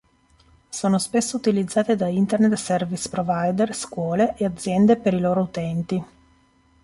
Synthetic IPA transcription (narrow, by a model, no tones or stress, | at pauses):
soːnospesːout̪ilid̪zːaːt̪ed̪aint̪ernet̪sɛrvispɾovajd̪erskwɔːleʔead̪zːjɛnd̪epeɾiloːɾout̪ɛnt̪i